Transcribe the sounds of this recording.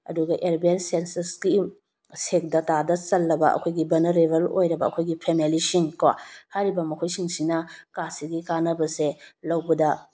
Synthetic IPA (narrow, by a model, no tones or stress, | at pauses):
ɐ̰duɡɐʔeɾbensensɐɾsɡim | sek̚dɐtadɐt͡ʃɐlːɐbɐɐ̰kʰojɡibɐnɐɾebelo̰jɾɐbɐɐ̰kʰojɡipʰemelisiŋkohajɾibɐmɐkʰojsiŋsinɐkasiɡikanɐbɐselɐwbɐdɐ